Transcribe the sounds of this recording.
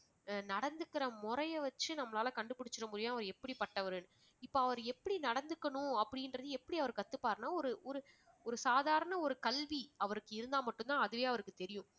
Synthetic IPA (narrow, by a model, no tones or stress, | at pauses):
nɐɽɐnd̪ɯkːɪɾɐmʊɾɐjɐʋɐt͡ʃːɯnɐmːɐlaːlɐkɐɳɖɯpːɪɽɪt͡ʃːɪɾɐmʊːɾɪjɐ̃ɐʋɐɾɛpːɐɽipːɐʈːɐʋɐɾɯn | ɪpːoːɐʋɐɾɛpːɐɽinɐɽɐnd̪ɯkːɐɳʊ̃ɐpːɐɽɪnɾɐðɯɛpːɐɽiɐʋɐɾɯkːɐt̪ːɯpːaːɾnaːɔɾɯʔɔɾɯ | ɔɾɯsaːðaːɾɐɳɐɔɾɯkɐlʋiɐʋɐɾɯkːɯɪɾɯnd̪aːmɐʈːɯnt̪ãːɐðɯʋeːɐʋɐɾɯkːɯt̪ɛɾɪjʊ̃